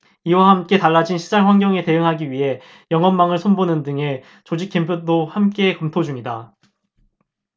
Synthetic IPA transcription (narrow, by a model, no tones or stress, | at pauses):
iwahamk͈e̞taɭːad͡ʑinɕʰid͡ʑanɸwanɡjʌŋe̞te̞ɯŋɦaɡiɥiɦe̞ | jʌŋʌnmaŋɯɭsʰonbonɯndɯŋe̞ | t͡ɕod͡ʑik͈ʰːimpʰjodohamk͈e̞kʌmtʰod͡ʑuŋida